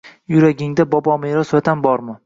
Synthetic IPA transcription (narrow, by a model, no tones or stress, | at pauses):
jʊɾaɡʲɪŋd̪abɒbɒmeɾɒsat̪ʰambɒɾmɪ